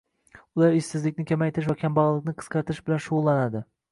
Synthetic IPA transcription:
ʊlˠaɾɪsɪzlɪkʲnɪkʲʰamajt̪ʰɪɾɪʃvakʲʰambɑʁlˠɨqnɪqʰɨ̥sqʰɑɾt̪ʰɾɪʃbɪlanʃʊʁʊlˠːanad̪ɪ

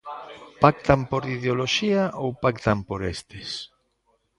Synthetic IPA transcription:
pak̚t̪ampoɾiðeoloʃiaʔowpakt̪ampoɾest̪es

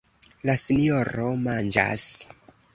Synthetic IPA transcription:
lasinijoɾo̞mand͡ʒa̰s

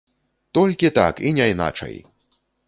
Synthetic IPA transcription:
t̪ɔlʲkʲit̪a̰kinʲajna̰t͡ʂɐ̰j

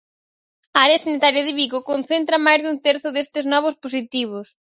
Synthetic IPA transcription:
aaɾeɐsanit̪aɾjɐðiβiɣokonθent̪ɾɐmajzðunt̪eɾθʊðest̪ɪznɔβ̞ʊsposit̪iβ̞ʊs

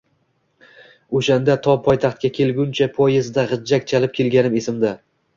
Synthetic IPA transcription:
oʃand̪at̪ʰɒpʰɒjt̪ʰaχt̪̚kʲakʲʰe̞lɡʲʊnt͡ʃʰapʰɒjɪzd̪aʁɨd͡ʒːakʲt͡ʃʰalɪp̚kʲʰe̞lɡʲanɪme̞sɪmd̪a

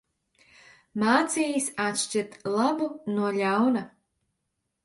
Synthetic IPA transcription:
maːt̪siːjisat̪ʃt͡ʃit̪lˠabunuɔʎawna

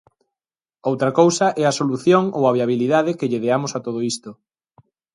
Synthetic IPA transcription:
owt̪ɾakowsɐʔɛɐsoluθjoŋowaβiaβ̞iliðaðɪkɪʎeðeamʊsat̪oð̞oist̪o

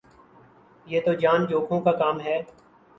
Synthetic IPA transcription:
jeːt̪od͡ʒaːnd͡ʒoːkʰõkakaːmɦɛː

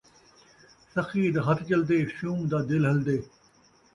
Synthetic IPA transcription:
sɐxiːd̪ɦɐt̪t͡ʃɐld̪eːʃuːmd̪aːd̪ɪlɦɐld̪eː

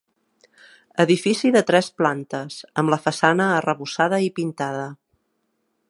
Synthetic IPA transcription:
əðifisiðət̪ɾɛsplant̪əzəmləfəsanəːrəβusaðəipint̪aðə

